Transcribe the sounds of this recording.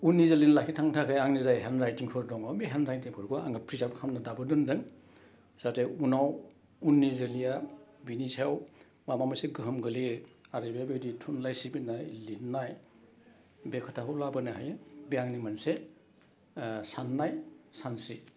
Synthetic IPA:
unːizelinlakʰitʰaŋtʰakʰɯjaŋnizajɦenɾajtiŋpʰɯɾdɔŋamiɦenɾajtiŋpʰɔɾkʰɔa̰ŋapʰɾizawkʰamnadabɯdundɯŋ | satʰeunaw | unːizɯlijabinisʰaw | mamamaseɡɯɦɯmɡɯliaɾibebeditʰunlajsibinajlinːaj | bekʰɔtʰaɦɔwlabɯneɦajbijaŋnimanse | sanːajsansi

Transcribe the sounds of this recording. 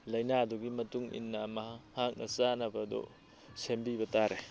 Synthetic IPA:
lɐjnaduɡimɐtuŋḭnːɐmɐhak̚nʔɐ̰sanɐbɐdɔ̰ | sembibɐtaɾe

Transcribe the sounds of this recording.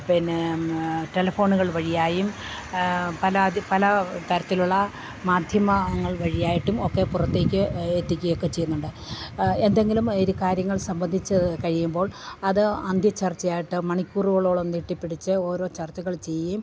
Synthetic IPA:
pinːe | ʈe̞lɐfo̞ːɳuɣɐɭʋɐɻijaːjum | pɐlɐpɐlɐt̪ɐɾɐt̪ːiluɭːɐ | maːd̪ʱjɐmɐŋːɐɭʋɐɻijaːjiʈːumo̞kːe̞purɐt̪ːe̞ːkʲːɨet̪ːikʲːɐɣɐjokːe̞t͡ɕe̞junːuɳɖɨ | e̞nd̪e̞ŋɡilumiɾukaːɾjɐŋːɐɭsɐmbɐnd̪ʱit͡ɕːɨkɐɻijumbo̞ːɭɐðɨɐnd̪ʱjɐt͡ɕɐrt͡ɕːɐjaːjiʈːɨmɐɳikʲːuːruɣɐɭo̞ːɭomnːiʈːipːiɽit͡ɕːɨo̞ːɾo̞ːt͡ɕɐrt͡ɕːɐɣɐɭt͡ɕe̞jːum

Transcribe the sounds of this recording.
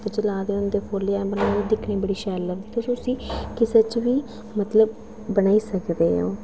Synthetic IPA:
t̪t͡ʃəlaːd̪eːʊnd̪eːpʰoːleabənaːiːd̪ɪkʰnĩːbəɽiːʃɛːlːəɾiːt̪ʊsõsĩːkɪseːt͡ʃʋiː | mət̪ləbː | ənaːiːsəkd̪eːã̰ː

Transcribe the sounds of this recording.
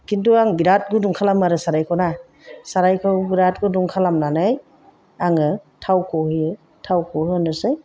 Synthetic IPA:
kintuaŋbiɾat̚ɡuduŋkʰalamaɾɯsaɾajkʰawna | saɾajkʰawbiɾat̚ɡɯduŋkʰalamnanɯj | aŋɯtʰawkʰohɯjɯ | tʰawkʰɔhɯnɯsɯj

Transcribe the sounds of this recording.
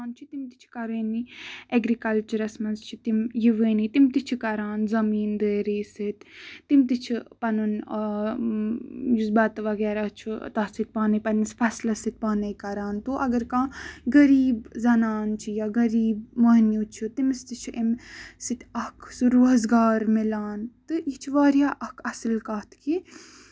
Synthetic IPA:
nt͡ʃʰit̪imt̪i̥t͡ʃʰi̥kɐɾeːnieɡɾikɐlt͡ʃɐɾɐsmɐnzt͡ʃʰit̪imjiʋeːnit̪imt̪it͡ʃʰikɐɾaːnzɐmiːnd̪əːɾiːsit̪t̪imt̪it͡ʃʰipɐnun | jusbɐt̪ʋɐɡɛːɾat͡ʃʰit̪ɐsit̪̚ʲpaːnɐpɐnispʰɐslɐsit̪̚ʲpaːnɐjkɐɾaːnt̪oːʔɐɡɐɾkãːɡɐɾiːbzɐnaːnt͡ʃʰijaːɡɐɾiːbmɐɦnjut͡ʃʰut̪imst̪it͡ʃʰiʔemsit̪ʲʰɐkʰsuɾuɦɐzɡaːɾmilaːnt̪ɨit͡ʃʰiʋaːɾjaːʔɐkʰɐsɨlkɐːt̪ʰki

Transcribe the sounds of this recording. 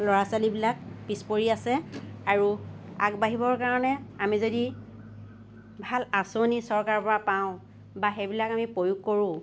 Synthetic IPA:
lɔɹasalibilak̚pispoɹiasɛaɹuakbaɦibɔɹkaɹɔnɛamizodi | bʱalasonisɔɹkaɹpɔɹapaʊ̃ | baxebilakamipojuɡ̚koɹʊ̃

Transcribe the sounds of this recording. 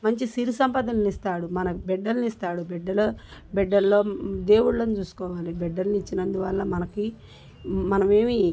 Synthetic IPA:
mɐɲt͡ʃisiɾisɐmpɐd̪ɐnɐnist̪aːɽumɐnɐbɛɖːɐlnist̪aːɽubɛɖːɐlobɛɖːɐllo̞ːd̪e̞ːwuɽloːnit͡ʃuːsu̥kɔːʋaːlibɛɖːɐlnit͡ʃːinɐnd̪uʋɐɭːɐmɐnɐki | mɐnɐmeːmi

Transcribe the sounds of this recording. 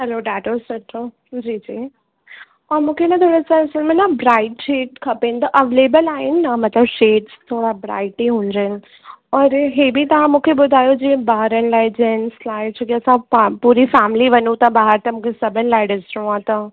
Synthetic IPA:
ɦɛloɖaːʈosɐʈʰo | d͡ʑid͡ʑiː | ɔːɾmũːkʰeɪnɐt̪ʰoːɽesãɪsəlmẽnɐbɾaːɪʈʃeːʈ̚kʰɐpenɪt̪ɐʔɐʋeːleːbəlaːɦɪnɪːɐmɐt̪ləbʃeːʈst̪ʰoːɽabɾa̰ːɪʈiɦũːɲd͡ʑənɪ̆ | ɔːɾɦeːbit̪ɐʋ̤ãmũːkʰebʊd̪ʱaːjod͡ʑẽːbaːɦəɾənɪlaːɪd͡ʑɛnɪslaːɪt͡ʃʰɐkiɐsãpapuːɾifɛːmɪliʋɐɲũt̪ɐbaːɦəɾt̪ɐmũːkʰesɐbʱɪnɪlaːɪɖɪsɪɾũãt̪ɐ

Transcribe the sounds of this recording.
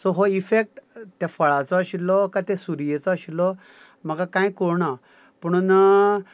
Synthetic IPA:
sɔɦoifek̚ʈt̪ɛfəɭat͡sɔəɕilɔkat̪ɛ̃suɾijet͡sɔəɕilɔ | məɡakãjkoɾɳa | pəɳ̃una

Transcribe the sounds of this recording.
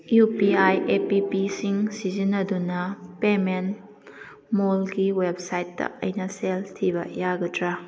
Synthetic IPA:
jupiajepipisiŋsizinːɐdunɐpemen | molɡiweb̚sajt̚dɐ̰ɐ̰jnɐseltʰibɐjaɡɐtʰɾa

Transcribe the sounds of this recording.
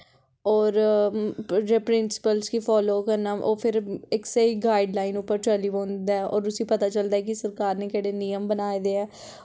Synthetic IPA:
ɔːɾ | d͡ʒeːpɾɪnsɪ̥pəlskiːpʰɔːloːkəɾnaːʔoːpʰɪɾɪkseiːɡaːiɖlaːinʊpːəɾʈɛːliːʋõːnd̪aɛʔɔ̰ːɾʊsĩːpət̪aːt͡ʃəld̪aːɛkisəɾkaːɾneːkɛːɽeːnijəmbənaːed̪eːɛː

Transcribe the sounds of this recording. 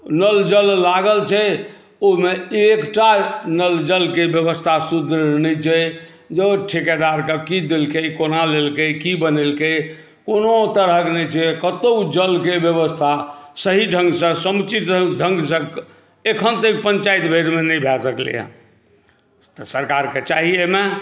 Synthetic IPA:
nəld͡ʒəlːaɡəlt͡ʃʰɛ | omeekʈanəld͡ʒəlkebjəbəst̪ʰasud̪ʱɾənəjt͡ʃʰɛ | d͡ʒeʈʰikad̪aɾkəkid̪elkəkonalelkəkibənelkə | konot̪əɾɦəknɛt͡ʃʰɛkət̪od͡ʒəlkebjəβəst̪ʰasəɦiɖʱə̃ŋɡsə̃səmt͡ʃit̪ɖʱə̃ŋɡsə̃ | ekʰənt̪ek̚pəɲt͡ʃait̪bʱeɾmenəjbʱɛsəklḛjə̰̃ | t̪əsəɾkaɾket͡ʃaɦieme

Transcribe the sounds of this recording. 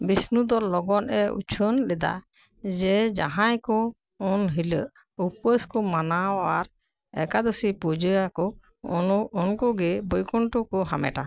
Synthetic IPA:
bisnud̪ɔlɔɡɔnɛṵt͡ʃʰənlɛd̪a̰ | d͡ʒɛd͡ʒa̰ɦãjkɔ | ɔnɦiləʔ | upəskɔmanawaɾ | ɛ̰kad̪ɔsipud͡ʒəakɔ | ɔnɔːnkɔɡɛbɔjkɔɳʈɔkɔɦamɛ̰ʈa

